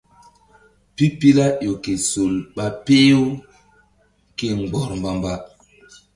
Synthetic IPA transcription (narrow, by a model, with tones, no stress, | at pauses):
pi˦pi˦la˦ʔo˨ke˨so˨lɓa˨pe˦jo˦ | ke˨ŋ͡mɡ͡bɔ˨ɾmba˨mba˦